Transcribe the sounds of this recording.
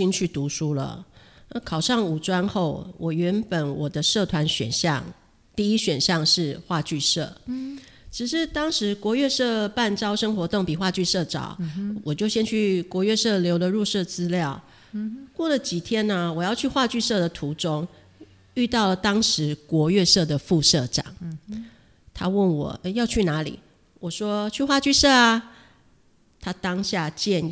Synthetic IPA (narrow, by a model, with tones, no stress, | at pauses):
i˥nt͡ɕʰy˥˩t̪u˧˥ʂu˥lə̰˨a˥˧kʰɑ˨˩ʊʂɑ˥˩ŋu˨˩ʈ͡ʂwa˥nxo˥˩ʊwʔɔ˨˩ɥɛ˧˥npə˨˦nwɔ˨˩d̪ə˦ʂɤ˥˩t̪ʰwa˧˦nɕɥɛ̰˨˩nɕjɑ̰˥˨ŋ | t̪i˥˩i˦˥ɕɥɛ˨˩nɕjɑ˥˧ŋʂɻ̩˥˩xwa˥˧t͡ɕy˥˧ʂɤ˥˩ | ʈ͡ʂɻ̩˨˩ʂɻ̩˥˩t̪ɑ˥ŋʂɻ̩˧˥kwɔ˧˥ɥɛ˥˧ʂɤ˥˧pa˥˩nʈ͡ʂɑ˥ʊʂə˥ŋxwɔ˧˥t̪o˥˩ŋpi˨˩xwa˥˧t͡ɕy˥˧ʂɤ˥˩ʈ͡ʂɑ̰˨˩˦ʊwɔ˨˩t͡ɕjo˥˩ʊɕjɛ˥nt͡ɕʰy˥˩kwɔ˧˥ɥɛ˥˧ʂɤ˥˩ljo˧˥ʊlə˧ɻu˥˧ʂɤ˥˩t͡sɹ̩˥ljɑ˥˩ʊ | kwɔ˥˩lə˩t͡ɕi˨˩t̪ʰjɛ˥nə˨wɔ˨˩jɑ˥˧ʊt͡ɕʰy˥˧xwa˥˧t͡ɕy˥˧ʂɤ˥˩d̪ə˩t̪ʰu˧˥ʈ͡ʂʊ˥ŋ | y˥˧t̪ɑ˥˩ʊlə˩t̪ɑ˥ŋʂɻ̩˧˥kwɔ˧˥ɥɛ˥˧ʂɤ˥˩d̪ə˩fu˥˧ʂɤ˥˩ʈ͡ʂɑ̰˨˩˦ŋ | t̪ʰa˥wə˥˩nwɔ̰˨˩ə˧jɑ˥˧ʊt͡ɕʰy˥˩na˧˥lḭ˨˩ | wɔ˨˩ʂwɔ˦˥t͡ɕʰy˥˧xwa˥˧t͡ɕy˥˧sɤ˥˩a˨ | t̪ʰa˥t̪ɑ˥ŋɕja˥˧˩t͡ɕjɛ˥˧n˥